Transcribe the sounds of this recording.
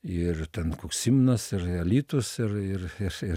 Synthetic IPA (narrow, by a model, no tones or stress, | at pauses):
ɪrt̪ʲɛnkoːkssʲimnɐsɪɾɐlʲiːt̪ʊsɪrɪrɪrɪr